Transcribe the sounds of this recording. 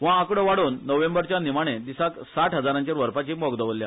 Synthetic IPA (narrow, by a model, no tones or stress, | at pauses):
ʋãakɽəʋaɽuːnːəʋembəɾt͡ɕjanimaɽ̃ed̪isaksaʈɦəd͡zaɾãɲt͡ɕaɾʋəɾpat͡ɕiːmɔɡd̪əʋəlːja